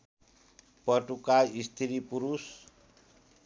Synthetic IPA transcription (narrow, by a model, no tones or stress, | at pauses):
pʌʈukajist̪ʰiɾipuɾus